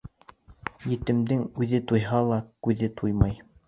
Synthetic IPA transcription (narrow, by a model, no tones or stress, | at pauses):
jɘ̆t̪ɘ̆md̪ɘŋʉðɘt̪ujɦɑlˠɑkʉðɘt̪ʰujmɑj